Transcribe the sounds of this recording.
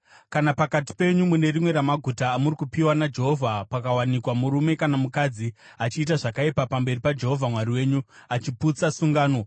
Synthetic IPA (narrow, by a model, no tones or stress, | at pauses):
kanapakat̬i̥pe̞ɲumune̞rimwe̞ɾamaɡʱutaːmurikupiwanad͡ʒe̞ɦo̞vʱapakawanikwamuɾume̞kanamukad͡zi | at͡ʃiːt̬aʐakaipapambe̞ripad͡ʒe̞ɦo̞vʱamwariwe̞ːɲuat͡ʃiput͡sasuŋɡaːno̞